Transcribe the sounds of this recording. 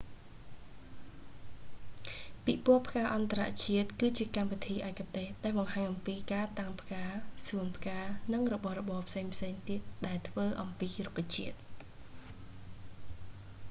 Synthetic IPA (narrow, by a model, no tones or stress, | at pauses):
piʔpuəpʰkaːʔɑnt̪ara̰ʔt͡ɕiət̪̚kɨːt͡ɕiəkamʋit̪ʰiːʔaɛkat̪eːhɗaɛlɓɑŋɦaːɲʔɑmpiːkaːt̪aŋpʰkaːsuənpʰkaːnɨŋrɔɓɑhrɔɓɑːpʰseːŋpʰseːŋt̪iət̪̚ɗaɛlt̪ʰʋəːʔɑmpiːrukːat͡ɕiət̪̚